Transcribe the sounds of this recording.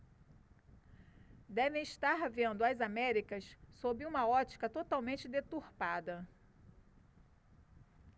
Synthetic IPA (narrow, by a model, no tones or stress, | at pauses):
d̪ɛvẽiʃt̪aɾvẽnd̪ʊɐzamɛɾikɐssobɪũmɐɔt͡ʃi̥kɐt̪ot̪awmẽnt͡ʃɪd̪et̪uhpad̪ɐ